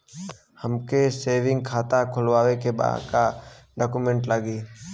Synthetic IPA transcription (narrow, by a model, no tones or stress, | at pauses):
həmkeseːʋɪ̃ŋɡ̚kʰaːt̪akʰʊlwaːwekeba̰ːd̪ka | ɖɔːkumẽɳʈləɡiː